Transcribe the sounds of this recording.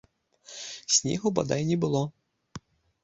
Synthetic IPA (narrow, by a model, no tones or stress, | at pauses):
sʲnʲɛ̰ɣʊba̰d̪ajnʲɛbɨlˠɔ